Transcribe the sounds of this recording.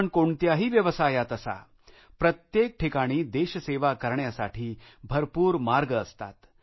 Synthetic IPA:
ɳkoɳt̪jaɦiːʋjəʋəsajat̪əsa̰ | pɾət̪jek̚ʈʰikaɽ̃iːd̪eɕəseʋakəɾɳjasaʈʰiːbʱəɾpuːɾmaɾɡəst̪a̰t̪

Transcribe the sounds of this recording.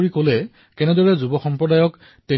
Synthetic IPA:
ɹikolɛ | kɛnɛdɔɹɛzubɔxɔmpɹɔdajɔk | te

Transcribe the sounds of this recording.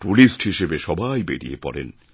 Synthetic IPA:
ʈulisʈhiʃebeʃɔbʱajbeɾḭepɔɾḛn

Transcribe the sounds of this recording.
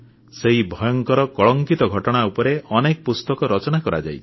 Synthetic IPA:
seɦibʱɔjɔŋkɔɾɔkɔɭɔŋkit̪ɔɡʱɔʈɔɽ̃aupɔɾeɔnekɔpust̪ɔkɔɾɔt͡ʃɔnakɔɾa̰d͡ʒa̰j

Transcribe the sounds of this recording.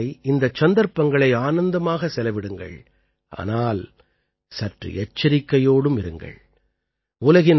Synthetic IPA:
ɪɪnd̪ɐt͡ʃːɐnd̪ɐɾpːɐŋɡɐɭɐɪaːnɐnd̪ɐmaːɣɐsɛlɐʋɪɽɯŋɡɐ̰ɭ | ʔa̰ːnaːl | sɐʈrɯ̰ʔɛt͡ʃːɐɾɪkːɐjoːɽɯmɪɾɯŋɡɐ̰ɭ | ʊlɐɣɪn

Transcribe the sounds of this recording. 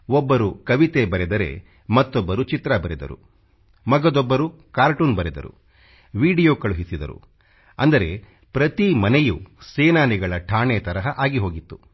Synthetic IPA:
ɔbːɐɾukɐʋit̪ebɐɾɛd̪ɐɾe̞̰ | mɐt̪ːɔbːɐɾut͡ʃit̪ɾɐbɐɾɛd̪ɐ̰ɾṵ | mɐɡɐd̪ɔbːɐɾu | kaːɾʈuːnbɐɾɛd̪ɐ̰ɾṵ | ʋiːɖijoːkɐɭuɦisid̪ɐɾṵ | ɐnd̪ɐɾe̞ | pɾɐt̪imɐnejuseːnaːniɡɐɭɐʈʰaːɳet̪ɐɾɐɦɐʔaːɡiɦo̞ːɡit̪ːu

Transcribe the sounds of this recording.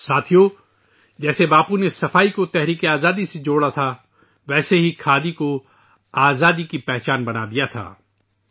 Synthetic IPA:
saːt̪ʰijo | d͡ʒɛːsebaːpunesɐfaːikot̪ɛɦɾiːkeaːzaːd̪ised͡ʒoːɽat̪ʰa | ʋɛːseɦikʰaːd̪iko | aːzaːd̪ikipɛːɦt͡ʃaːnbɐnad̪ijat̪ʰa̰ː

